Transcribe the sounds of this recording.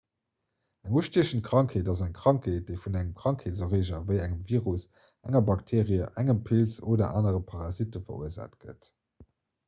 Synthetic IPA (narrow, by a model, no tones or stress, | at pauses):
æŋuəʃteːʃən̩tkʁ̥ɑŋkʰheːdɑzæŋkʁ̥ɑŋkʰheːt̚d̥əɪfunæŋəmkʁ̥ɑŋkʰeːtzoʁiːʒɐvəɪæŋəmviːʁus | ʔæŋɐbɑktʰeːʁiəʔæŋəmpʰilsoːdɐ̰ʔaːnəʁəpʰaʁɑzitəfɐ̰ṵəza̰ːtɡ̥ə̰t